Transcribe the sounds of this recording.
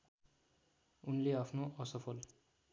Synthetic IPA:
unleʌpʰnoʔʌsʌpʰʌl

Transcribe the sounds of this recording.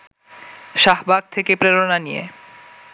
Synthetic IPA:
ʃaɦbaɡ̚t̪ʰekepɾeɾonanijḛ

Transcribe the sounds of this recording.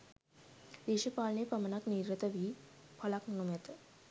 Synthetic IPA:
d̪iʃəpaːlnepəmənakniːɾːət̪əʋiːpʰalaknnumet̪ə

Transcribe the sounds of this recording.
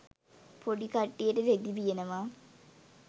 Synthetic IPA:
poɖikaʈːijəʈəɾed̪ibijenəʋaː

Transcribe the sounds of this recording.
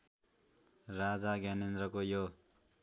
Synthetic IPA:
rad͡zaɡanend̪ɾʌkojo

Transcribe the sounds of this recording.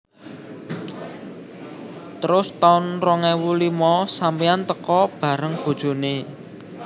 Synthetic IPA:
t̪əɾʊst̪aʊnrɔŋɛwulimɔsampiant̪əkɔb̥ä̤ɾəŋb̥o̤d̥ʒ̥o̤ne

